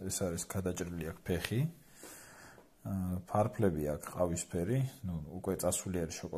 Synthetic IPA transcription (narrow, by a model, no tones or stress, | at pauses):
ɛsaɾisɡ̥ad̪at͡ʃʼɾiliakʰpʰɛχi | pʰaɾpʰlɛbiakʰqʼavispʰɛɾinuukʼwɛt̪sʼasuliaɾiʃɔkʼɔ